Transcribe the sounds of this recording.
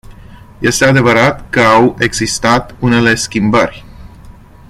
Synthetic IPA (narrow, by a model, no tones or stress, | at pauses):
je̞st̪e̞ad̪e̞vəɾat̪kəawe̞ɡzist̪at̪une̞le̞skʲimbərʲ